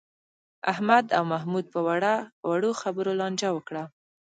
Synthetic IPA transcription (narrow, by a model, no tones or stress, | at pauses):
a̰hmad̪awmaɦmud̪̚pəwaɽawaɽoxabəɾolɑnd͡ʒawəkɽa